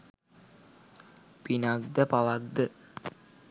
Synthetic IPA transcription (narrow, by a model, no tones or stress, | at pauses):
pinak̚d̪əpaʋakd̪ə